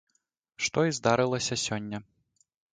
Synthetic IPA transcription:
ʂt̪ɔizd̪aɾɨlˠɐsʲɐsʲɔnʲːɐ

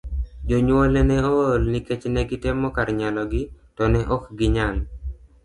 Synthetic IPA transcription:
d͡ʒoɲwɔlɛnɛoolniket͡ʃnɛɡɪtɛmɔkaɾɲalɔɡɪtɔnɛʔɔkɡɪɲaŋ

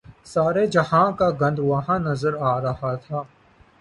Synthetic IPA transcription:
saːɾed͡ʒɐhãːkaɡɐ̃nd̪ʋɐɦãːnɐzəɾaːɾɐɦat̪ʰaː

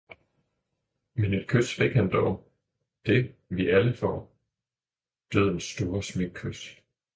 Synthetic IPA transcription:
mene̝d̥̚kʰød̥sfeɡ̥hænd̥ɒʊ | d̥e̝ʋiæləfɒ̰ː | d̥øð̰ˠn̩sːd̥o̝ːɐsmeɡ̥̚kʰød̥

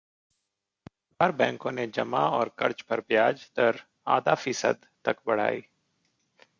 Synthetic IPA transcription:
baɾbɛ̃ːŋkõːned͡ʒəmaɔːɾkəɾt͡ʃpəɾbjaːd͡ʒt̪əɾ | a̰ːd̪afiːsə̰d̪ | t̪ɐkbəɽ̤a̰ːiː

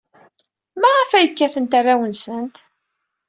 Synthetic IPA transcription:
mæʁəfæjəkːæθənt̪arːawənsənt̪

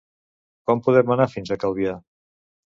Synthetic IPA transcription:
kɔmpuðɛmənafinzəkəlˠβia

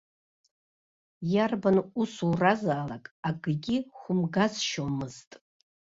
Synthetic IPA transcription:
jarbanusurazaːlakʼaɡɨɡʲiχʷʊmɡazʃomɨztʼ

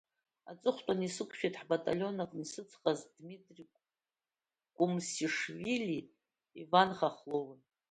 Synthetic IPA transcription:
a̰t͡sʼɨχʷtʼanisɨkʷʰʃᶣejtʰʼħbatʼa̰lʲo̞nakʼnisɨt͡sʰqʼazdmitʼri | kʷʼumsiʂviliː | vanχaχlowa

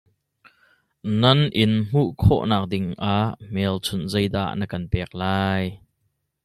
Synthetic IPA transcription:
nɐnʔɪnm̥uʔkʰɔ̰ʔnaːk̚dɪŋʔaʔmɛːlt͡sʰʊnzɐjda̰ʔnəkɐnpɛːk̚laːj

